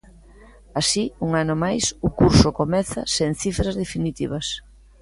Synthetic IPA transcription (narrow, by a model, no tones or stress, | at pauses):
asiuŋanʊmajsʊkuɾsʊkomɛθɐseŋ̟θifɾazðefinit̪iβɐs